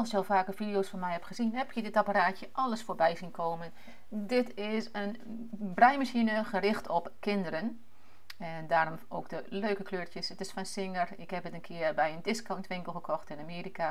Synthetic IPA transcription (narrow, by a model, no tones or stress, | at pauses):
lˠsɪkəɔlˠfaːkəvidijoːsfɔnmɛjhɛpχəzinɦɛpʰjədɪtapaɾaːtjəʔɑləsfoːɹbɛjzinkʰoːmən | dɪtʰɪsən | brɛjmasinəχərɪxtʰɔpkɪndərən | ɛndaːɾɔmoːkdəløːkəkløːɹəsətɪsfɔnsɪŋərɪkhɛpətənkʰɪːərbɛjəndɪskontʰʋɪŋkəl̩ˠxəkʰɔxtɪnamiːɾika